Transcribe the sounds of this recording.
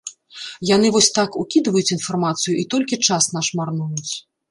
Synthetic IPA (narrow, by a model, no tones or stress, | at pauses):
janɨvɔsʲt̪akukʲid̪vɐjut͡sʲin̪farmat̪sɨjuʔit̪ɔlʲkʲit͡ʂasnaʂmarnujut͡sʲ